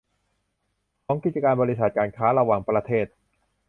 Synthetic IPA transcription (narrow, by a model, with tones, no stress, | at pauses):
t̪ʰɔː˦˥ŋki˨˩t̪̚t͡ɕa˧kaː˧nbɔː˧ɾi˦˥s̬a˨˩t̪̚kaː˧nkʰaː˦˥ɾa˧waː˨˩ŋpɾa˧t̪ʰeː˥˩t̪̚